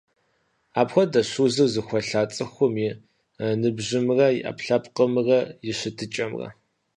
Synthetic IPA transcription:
aːpxʷɔdɐɕuːzɨrzɨxʷɐɬaːt͡sʼɨxʷʊmɪ | nɨbʑɪmɨrɐjɪ̰ʔɐ̰pɬɐpʼqəmrɐjɪɕɪtʰɨt͡ʃʼɐmrɐ̰

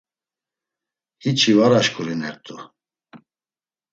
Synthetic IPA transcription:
hit͡ʃʰivaɾaʃkʰʼuɾinɛɾt̪ʼu

